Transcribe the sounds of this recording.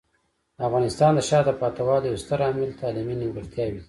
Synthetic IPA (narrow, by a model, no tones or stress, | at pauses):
d̪əafɣɑnɪst̪ɑnd̪əʃɑd̪əpɑt̪awɑd̪əjost̪əɾɑmɪlt̪ɑlɪminiɡaɾt̪jɑwi